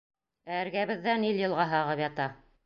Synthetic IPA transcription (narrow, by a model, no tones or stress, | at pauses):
æɘɾɡæβɘ̆ðːæniljɤ̆lˠʁɑɦɑʁɤpjɑt̪ɑ